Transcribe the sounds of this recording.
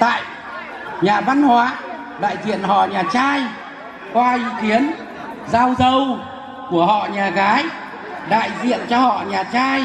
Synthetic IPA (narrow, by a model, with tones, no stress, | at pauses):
t̪a̰ː˧˨j | ɲaː˨˩va˧nhwaː˨˦ | ɗa̰ː˧˨jzḭ˧˨ənhɔ̰˧˨ɲaː˨˩t͡ɕaː˧j | kwaː˧ʔi˨˦ki˨˦ən | zaː˧wzə˧w | ku˧˩əɦɔ̰˧˨ɲaː˨˩ɣaː˨˦j | ɗa̰ː˧˨jzḭ˧˨ənt͡ɕɔ˧hɔ̰˧˨ɲaː˨˩t͡ɕaː˧j